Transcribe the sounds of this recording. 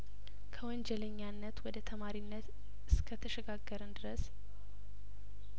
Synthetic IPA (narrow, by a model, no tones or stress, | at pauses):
kʰəwɔnd͡ʒɛləɲːanːət̪wɔd̪ət̪ʰəmaɾinːət̪ | ɨskʰət̪ʰəʃɛɡaɡːəɾənd̪ɨɾəs